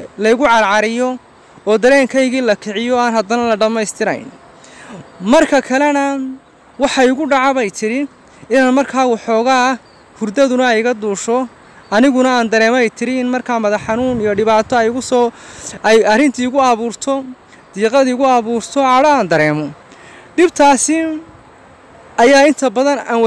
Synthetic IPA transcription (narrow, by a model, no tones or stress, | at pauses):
lɐɪɣʊʕɑɾʕɑɾɪjɔ | ɔːd̪ɐɾɛːŋkʰɐjɣiːlɐkʰɪʕɪjɔaːnɦɐd̪ɐnɐlɐɖɐmɛjst̪ʰɪɾɐ̰jn | mɐrkʰɐkʰɐlɛnɐ | wɑħɑʊɣʊɖɑʕaβɛjt̪ʰɪɾɪ | ɪnaːnmɐrkʰaːwɑħɔːɣa | hʊrd̪ɐðʊnɐɛjɣɐd̪uːʃɔ | ɐnɪɣʊnɐaːnd̪ɐɾɛːmɔɛjt̪ʰɪɾɪɪnmɐrkʰaːmɐðɐħɑnuːnijɔɖɪβaːt̪ʰɔɛjɣʊs | jɐrɪnt̪ʰiʊɣʊɐβuːrt̪ʰɔ | d̪̥iːqɑðiʊɣʊɐβuːrt̪ʰɔʕɑɽɐaːnd̪ɐɾɛːmɔ | ɖɪbt̪ʰaːsɪ | ɐjaːɪnt̪ʰɐbɐðɐnaːnw